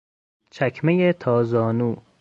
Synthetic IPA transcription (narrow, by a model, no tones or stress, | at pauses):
t͡ʃʰækʰmejet̪ʰɒːzɒːnuː